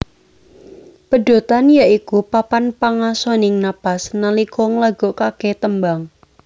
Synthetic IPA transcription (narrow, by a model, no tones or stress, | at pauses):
pəɖ̥o̤t̪anjaʔikupapanpaŋasɔnɪŋnapasnəlikɔŋlaɡ̥okakeht̪əmbaŋ